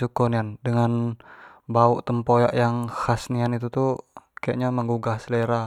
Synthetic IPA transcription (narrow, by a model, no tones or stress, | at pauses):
ukɔniandəŋan | bauʔt̪əmpojaʔjaŋhasnianit̪ut̪ukaja̰ʔɲaməŋɡuɡahsleɾa